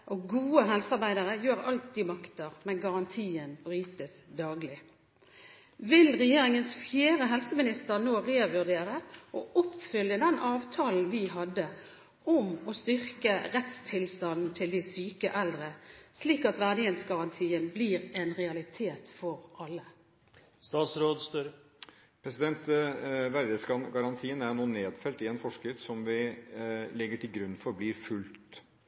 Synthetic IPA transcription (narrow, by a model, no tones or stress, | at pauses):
ʔɔɡuːəɦɛlsəɑɾbæɪd̪əʁəjøːɾɑlt̪̚d̪ɪmɑkt̪əʁmɛnɡɑʁɑnt̪ʰiːənbɾyːt̪əsd̪ɑːɡlɪ | ʋɪlʁɛjeːɾɪŋənsfjeːɾəɦɛlsəmɪnɪst̪əɾnoːʁeːʋʉʁd̪eːɾəʔɔʔʊpfʏljəd̪ɛnʔɑːʋt̪ʰɑːln̩ʋɪɦɑd̪ːə | ɔmɔst̪ʏʁkəʁɛt̪st̪ʰɪlst̪ɑnn̩t̪ʰɪld̪ɪsyːkəʔɛld̪ʁəsliːkɑt̪ʋæʁd̪əheːt̪sɡɑɾɑnt̪ʰiːənblɪʁɛnʁɛɑlɪt̪ʰeːt̪fɔʁʔɑlːə | st̪ɑːt̪sɾoːd̪st̪øɾ | pʰɾɛsɪd̪ɛnt̪ʋæɾd̪əsɡɑɡɑɾɑnt̪ʰiːənæɾnuːneːd̪fɛlt̪ɪɛnfɔʂkɾɪt̪sɔmʋɪ | lɪɡːəʈʰɪlɡɾʉnːfɔɾblɪɾfʉlt̪t̪